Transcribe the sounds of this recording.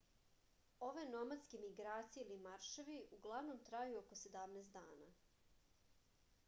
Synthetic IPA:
o̞ʋeno̞mat̪skemiɡɾaːt̪sieilimaɾʃeʋiʔuɡlˠaʋno̞mt̪ɾajuokosed̪amneːst̪d̪aːna̰

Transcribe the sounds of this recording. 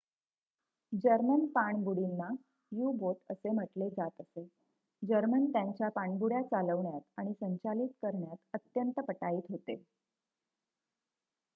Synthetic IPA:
d͡ʑəɾmənpaɳbuɽinːa | jubot̪əsem̤əʈled͡zat̪əse | d͡ʑəɾmənt̪jaɲt͡ɕjapaɳbuɽjat͡saləʋɳjat̪aɽ̃isəɲt͡ɕalit̪kəɾɳjat̪ət̪jənt̪əpəʈaiːt̪ɦot̪ḛ

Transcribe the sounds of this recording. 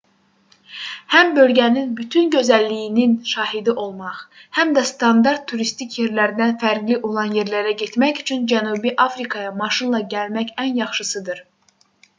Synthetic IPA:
hæmbø̞lɟæninbyt̪ʰynɟø̞zælːijininʃɑːɦid̪iʔo̞lˠmɑχhæmd̪æst̪ɑnd̪ɑɾt̪ʰːuɾist̪icʰje̞ɾlæɾd̪ænfæɾɡliʔo̞lˠɑnje̞ɾlæɾæɟe̞t̪mæçyt͡ʃʰynd͡ʒænubiʔɑfɾikʰɑjɑmɑʃɯnlˠɑɟælmæçænjɑχʃɯsɯd̪ɯɾ

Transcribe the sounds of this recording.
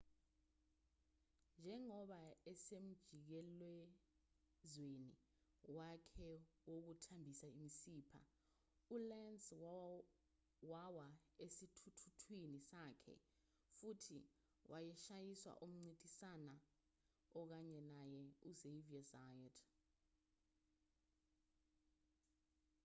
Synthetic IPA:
nd͡ʒʱɛŋɔɓaɛsem̩d̥ʒ̥ʱik̬ɛlwɛ | zwenḭ | wakʰɛwok̬utʰambʱisaimisiːpʰa̰ | ulɛns | wawaesitʰutʰutʰwinisakʰɛ̰ | futʰḭ | wʔajɛʃajiswa̰ʔum̩ŋ͡ǀid̥ʱisana | ɔk̬aɲɛnajɛuzeviasajɔd

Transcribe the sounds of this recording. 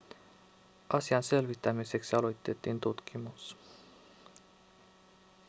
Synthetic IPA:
ʔɑsiɑnse̞lʋit̪ːæmise̞ksiɑlo̞jt̪ːe̞t̪ːint̪ut̪k̟imus

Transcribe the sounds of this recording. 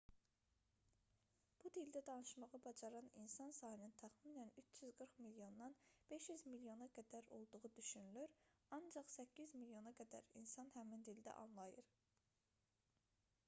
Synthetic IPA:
b̥ud̪ild̪æd̪ɑnɯʃmɑʁɑbɑd͡ʒɑɾɑninsɑnsɑːhinint̪ʰæχmiːnænyt͡ʃʰjyzɡɯɾχmiljo̞nːɑnb̥e̞ʃjyzmiljo̞nɑɡæd̪æɾo̞̰lˠd̪uʁud̪yʃynylyɾɑnd͡ʒɑχsæcʰːizmiljo̞nɑɡæd̪æ̰ɾḭnsɑnhæmind̪ild̪æ̰ʔɑ̰nlˠɑjɯɾ

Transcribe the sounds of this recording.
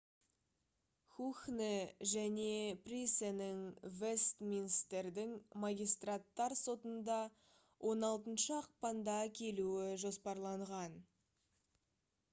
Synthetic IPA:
xuxneʒæne̞prʲisenɪŋvest̪minst̪eɾd̪ɪŋmɑɡʲijst̪rat̪ːɑɾso̞t̪ənd̪ɑ | wʔo̞nɑlˠt̪ənʃəɑq̚pɑnd̪ɑkʲʰe̞luɪʒo̞spɑɾlˠɑɴʁɑn

